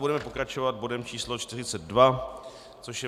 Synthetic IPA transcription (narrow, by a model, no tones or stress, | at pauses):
budɛmɛpo̞kɾat͡ʃo̞vad̪̚bo̞dɛmt͡ʃiːslo̞t͡ʃt̪ɪr̝ɪt͡sɛd̪̚dva | t͡soʃjɛ